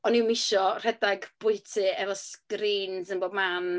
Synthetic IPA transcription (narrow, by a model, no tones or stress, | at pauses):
ɔnɪwmɪʃɔr̥ɛdaɡb̥ʊɨtʰɨɛvɔskɾiːnzənboːd̚man